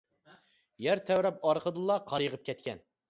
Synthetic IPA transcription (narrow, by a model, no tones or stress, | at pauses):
jæɾt̪ʰɛwɾɛpɑɾqʰəd̪ɨlˠɑqʰɑɾjəʁəp̚kʲɛt̪kʲɛn